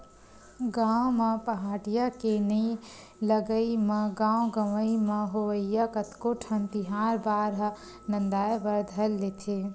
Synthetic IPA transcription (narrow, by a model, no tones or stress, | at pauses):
ɡãwməpəɦaːɽijakenəi | ləɡəiməɡãw̃ɡəʋəiməɦoʋəjjakət̪koʈʰənt̪iɦaːɾbaːɾ | nənd̪aːjbəɾd̪ʱəlːet̪ʰe